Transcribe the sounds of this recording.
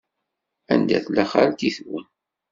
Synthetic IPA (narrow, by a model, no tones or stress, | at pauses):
æ̰nd̪æ̰θlæχa̰ɾt̪iθwə̰n